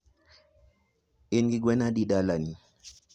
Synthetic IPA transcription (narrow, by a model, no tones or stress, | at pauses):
inɡiɡwɛnadiɗalani